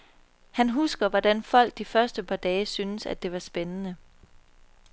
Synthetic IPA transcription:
hænɦusɡ̥ɐʋɒd̥ænfɒ̽l̰ɡ̥̚d̥ifɶɐsd̥əpʰɑ̈d̥ɛːsynəsæ̰d̥e̝ʋɑ̈sb̥enənə

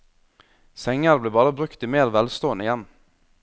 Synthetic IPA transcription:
sɛŋəɾbleːbɑːɾəbɾʉkt̪iːmeːɾʋɛlst̪oːənəɪjɛn

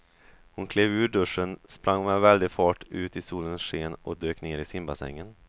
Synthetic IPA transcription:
hʊnkʰleːvʉ̟ːɖɵʂːənspɾʔaŋːmɛvɛld̪ɪfɑːʈʉ̟ːt̪ɪsuːlənsʂeːnʔɔ̰d̪øːkneːɾɪsɪmbasɛ̰ŋːən

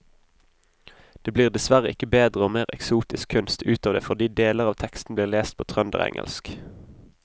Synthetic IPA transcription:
d̪̥eːbliːʁd̪ɛsʋæʁəɪkəbeːd̪ʁəoːmeːʁɛksuːt̪ɪskʰʉnst̪ʉːt̪ɑːʋd̪ḛːfɔʁd̪iːd̪eːləʁɑːʋt̪ʰɛkst̪n̩bliːʁleːst̪̚pʰoːt̪ʰʁœnd̪ə̰ʁɛ̰ŋʔə̰lsk

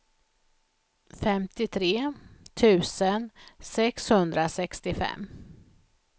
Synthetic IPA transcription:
fɛmt̪ɪt̪ʰɾeːt̪ʰʉ̟ːsənsɛkshɵnd̪ɾasɛkst̪ɪfɛ̰mː

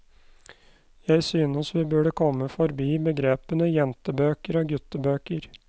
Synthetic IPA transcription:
jæɪsyːnəsʋɪbʉɖəkʰɔmːəfɔɾbiːbəɡɾeːpənəjɛnt̪əbøːkəɾoːɡʉt̪əbøːkəɾ

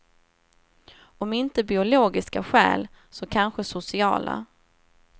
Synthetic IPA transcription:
ɔmɪnt̪əbɪʊloːɡɪskaɧɛ̰ːl | sɔkʰanɧəsʊsɪɑ̰ːla̰

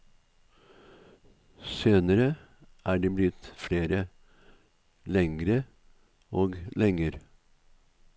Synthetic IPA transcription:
søːnəɾə | ʔæːɖeːblɪt̪fɽeːɾə | lɛŋɾə | oːɡlɛŋəɾ

